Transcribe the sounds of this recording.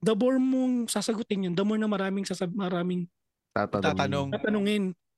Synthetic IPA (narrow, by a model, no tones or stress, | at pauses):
d̪ɐboɹmoŋsaːsɐɡʊt̪ɪnjond̪ɐmoɹnɐmɐɾaːmɪŋsasɐbmɐɾaːmɪŋ | t̪a̰t̪ɐt̪ɐoŋaːt̪ɐnʊŋɪn